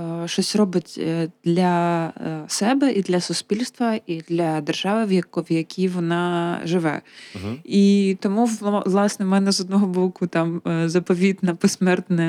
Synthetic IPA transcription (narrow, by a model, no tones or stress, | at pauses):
ʃɔsʲrɔbɪtʲd̪̥lʲɐ | sɛbɛʔid̪lʲɐsʊspʲilʲst̪ʋɐʔid̪lʲɐd̪erʒɑʋɪʋɐʋjɐkʲiʋɔnɑʒɪʋɛ̰ | it̪ɔmuʋlˠɑsnɛmɛnɛzɔd̪̚nɔɦɔbɔkʊt̪ɑmzɐpɔʋʲid̪nɐpɔsmɛrt̪nɛ